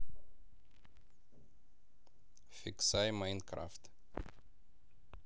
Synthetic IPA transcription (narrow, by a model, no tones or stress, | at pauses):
fiksajmaj̃nd̪̚kɾa̰ft̪